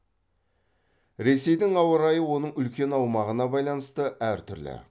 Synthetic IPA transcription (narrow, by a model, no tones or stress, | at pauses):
ɾe̞se̞jd̪ɪŋɑwəɾɑjəwo̞nəɴʏlkʲe̞nɑwmɑʁənɑbɑjlˠɑnəst̪əʔæɾt̪ʰʏɾlɪ̰